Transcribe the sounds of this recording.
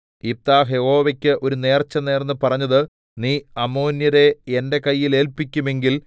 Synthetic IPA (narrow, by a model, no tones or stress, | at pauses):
ip̚t̪aːɦe̞ho̞ːʋɐkʲːɨʔo̞ɾune̞ːrt͡ɕːɐne̞ːrnːɨpɐrɐɲːɐðɨ | niːɐmoːnjɐɾe̞ende̞kɐjːile̞ːlpikʲːume̞ŋɡil